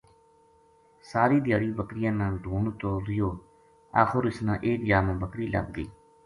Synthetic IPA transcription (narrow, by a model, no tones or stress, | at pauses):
saːɾiːd̪jaːɽiːbəkɾɪjãːnãːɖʱuːɳt̪oːɾɪjoː | a̰ːxʰoːɾɪsnãːʔeːkd͡ʒaːmãːbəkɾiːlə̰ɡ̚d̪ḭː